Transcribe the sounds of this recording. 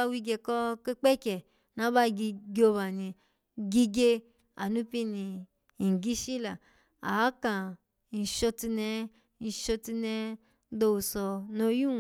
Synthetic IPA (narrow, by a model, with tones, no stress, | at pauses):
a˧wi˧ɡe˧kɔ˧ke˦k͡pɛ˦kɛ˨ | nã˨˦ba˦˧ɡi˧ɡo˧βa˨nĩ˧ | ɡi˧ɡe˧ | a̰˨nũ˦pi˧nĩ˧ | i˨ŋ˨ɡi˦ʃi˦la˨ | a˨˦kã˨ | n̩˨ʃo˧ti˧nɛ˧ | ni˧ʃo˧ti˧nɛ˧˦ | do˧u˨sɔ˧no˧ju˦˨